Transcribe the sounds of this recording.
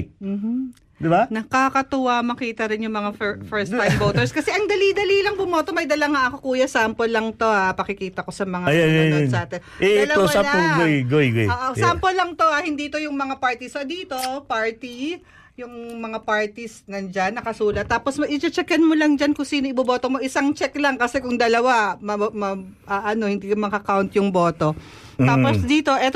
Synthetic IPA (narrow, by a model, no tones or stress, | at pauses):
m̩ːm̩ | d̪ɪbanɐkakɐt̪ʊwamɐkiːt̪ɐɾɪnjʊŋmɐŋaffɛɹst̪ːajmboːt̪ɛɹskɐsɛʔɐŋd̪ɐlid̪ɐlilɐŋbʊmoːt̪o̞mɐjd̪ɐlɐŋaʔɐko̞kuːjɐsaːmpolɐŋt̪o̞hapɐkɪkiːt̪ɐko̞sɐmɐŋaɐjanjɐnjonsʔaːt̪ɛnʔɛd̪lɐowasalolɡojɡojɡojoʔosaːmpolːɐŋtp̪o̞ʔahɪnd̪iːt̪o̞jʊŋmɐŋapaɹt̪isod̪iːt̪o̞paɹt̪i | jʊŋmɐŋapaɹt̪isnɐnd͡ʒanːɐkɐsuːlɐt̪ːaːposmɐʔɪt͡ʃɛt͡ʃɛkɐnmolɐŋd͡ʒankʊŋsiːnoʔɪbɐboːt̪omo̞ʔɪsaŋt͡ʃɛklaŋkɐsɛkʊŋd̪ɐlɐwamɐmɐ | ɐʔɐno̞hɪnd̪iːkɐmɐkɐkawnt̪jʊŋboːt̪o̞ | t̪aːposd̪iːt̪o̞ʔɛt̪